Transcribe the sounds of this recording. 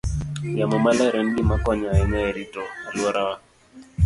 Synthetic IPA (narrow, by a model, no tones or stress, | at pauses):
jamɔmalɛɾɛndimakɔɲaɛɲaɛɾitɔɾiɔɾawa